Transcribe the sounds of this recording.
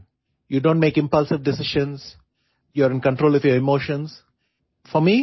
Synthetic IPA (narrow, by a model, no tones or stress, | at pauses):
juɖõːnʈmeːkɪ̃mpʌlsɪʋɖɪsɪʃə̃ns | juəɾɪ̃nkə̃ɳʈɾoːlɪfjɔɾɪmoːʃə̃ns | fɔmi